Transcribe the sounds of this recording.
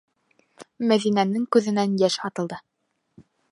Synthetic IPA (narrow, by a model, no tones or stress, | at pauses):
mæðinænɘŋkʉðɘ̆nænjæʃɑt̪ɤ̆lˠd̪ɤ